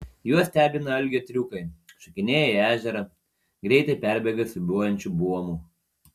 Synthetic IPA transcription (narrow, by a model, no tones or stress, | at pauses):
juɔsʲt̪ʲæːbʲɪnɐɐlʲɡʲɛːt̪ʲɾʲuːkɐɪʃɐkʲɪnʲeːjɛɪæːʒʲɛɾɐ | ɡɾʲɛɪt̪ɐɪpʲæˑɾʲbʲɛɡɐsʲbuɔjɛnʲt͡ʃʲubuɔmuː